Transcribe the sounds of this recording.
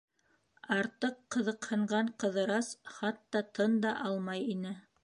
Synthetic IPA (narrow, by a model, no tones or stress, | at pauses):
ɑɾt̪ɤqːɤ̆ðɤ̆qhɤ̆ɴɢɑɴqɤ̆ðɤ̆ɾɑsχɑt̪ːɑt̪ɤnd̪ɑʔɑlˠmɑjinɘ